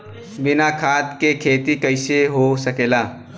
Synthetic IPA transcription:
bɪnakʰaːt̪kekʰeːt̪ikəɪseɦosəkeːlaː

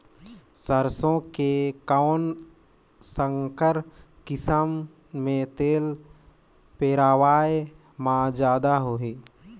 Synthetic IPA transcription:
səɾsõkekaʊn | səŋkəɾkɪsəmː | ẽt̪eːl | peːɾaːʋaːj | mãːd͡ʒaːd̪aɦoːɦeː

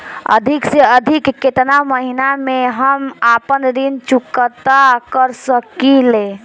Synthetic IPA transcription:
ə̰d̪ʱikseəd̪ʱikːet̪naməɦinameɦəmapənɾint͡ʃukət̪akəɾsəkile

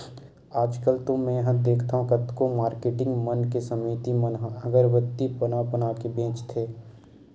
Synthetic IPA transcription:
aːd͡ʒkəlt̪ʊ̃mɛ̃jəɦə̃d̪eːkʰt̪aːɦũkət̪komaːɾkeːʈɪ̃ŋɡmənkesəmiːt̪imənɦəɡəɾʋət̪ːipənapənaːkebẽːt͡ʃt̪ʰeː

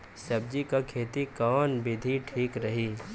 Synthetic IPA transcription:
sɐbd͡ʒikakʰeːt̪ikɔːnbɪd̪ʱiʈʰiːkɾɐɦiː

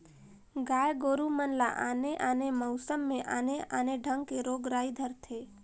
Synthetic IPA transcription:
ɡaːjɡoɾumənla̰ʔa̰neʔanemɔʊsəmːẽʔaneaneɖʱəŋɡkeɾoːɡɾaːid̪ʱəɾt̪ʰe

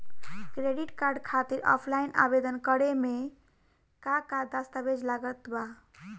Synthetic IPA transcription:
kɾeɖiʈkaɾɖkʰat̪iɾɔ̰pʰlaina̰bed̪ənkəɾeme | kakad̪ast̪abed͡ʒlaɡət̪ba

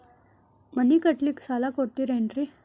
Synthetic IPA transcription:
mɐnːikɐʈliksaːlakoɽt̪iɾeɳɖɾi

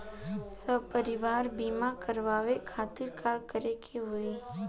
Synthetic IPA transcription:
səb̚pəɾɪʋaːɾbiːmakəɾʋaːʋekʰaːt̪ɪɾkʰakəɾekʰeɦʊi

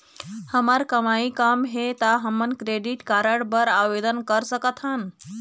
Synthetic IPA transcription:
həmaɾkəmaikamɦet̪aɦəmənkɾeɖiʈkaɾəɽbəɾaʋed̪ənkəɾsəkət̪ʰɦan

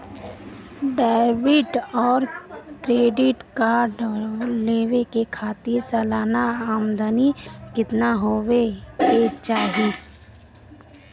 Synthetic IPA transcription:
ɖaːɪbɪʈɔːɾkɾeːɖɪʈkaːɾɖleːʋekekʰaːt̪ɪɾsəːlaːnaaːmd̪ənikɪt̪naɦoweket͡ʃaːɦeː

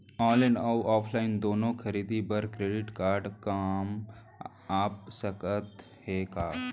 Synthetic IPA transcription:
ɔːlenawʔaːpʰlaːɪnd̪oːnõkʰəɾiːd̪ibəɾkɾeːɖɪʈkaːɾɖkaːm | aːp̚səkət̪ | heːkaː

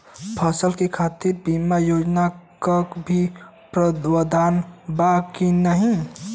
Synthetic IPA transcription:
pʰəsəlkekʰat̪iɾbimajod͡ʒnakakbʱi | pɾəwəd̪ʱaːnbakinəɦĩ

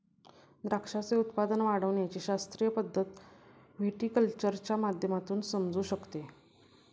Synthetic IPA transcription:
d̪ɾakʂat͡seut̪pad̪ənʋaɽəʋɳjat͡ɕiːɕast̪ɾijəpəd̪ʱːət̪ | ʋʱeʈiːkəlt͡ɕəɾt͡ɕjamad̪ʱjəmat̪uːnsəmd͡zuːɕəkt̪e

